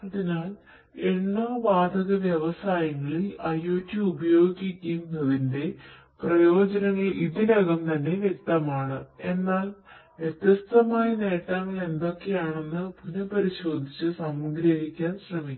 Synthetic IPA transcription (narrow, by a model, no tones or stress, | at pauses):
ɐðinaːl | eɳːoːʋaːd̪ɐɣɐʋjeʋɐsaːjɐŋːɐɭilɐjoːtːuubɐjo̞ːɡikʲːɐjumnɐðinde̞ | prɐjo̞ːd͡ʑɐnɐŋːɐɭiðilɐɡɐmt̪ɐnːe̞ʋjek̚t̪ɐmaːɳɨe̞nːaːlʋjet̪jɐst̪ɐmaːjɐneːʈːaːŋːɐɭe̞nd̪o̞kːe̞jaːɳe̞nːɨbʱunɐpɐɾiɕo̞ːd̪ʱit͡ɕːɨsɐmɡɾɐɦikʲːaːnɕrɐmikʲː